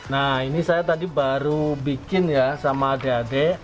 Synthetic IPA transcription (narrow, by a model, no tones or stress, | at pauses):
nainisajat̪adibaɾubikɪnjasamaːdeade